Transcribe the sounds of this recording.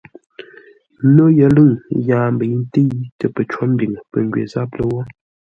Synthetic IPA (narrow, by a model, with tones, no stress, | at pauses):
no˦jə˨lɨ˦˨ŋjaː˨m˦bə˨˦n˦ti˦tə˨pə˨t͡ʃwo˦m˦bi˨ŋ˨pə̰˨ŋ˨ɡɥḛ˨za˦p̚lə˦wɔ˦